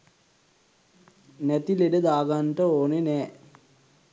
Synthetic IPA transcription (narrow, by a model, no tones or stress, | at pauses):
næt̪ileɖəd̪aːɡanʈəoːnenɛː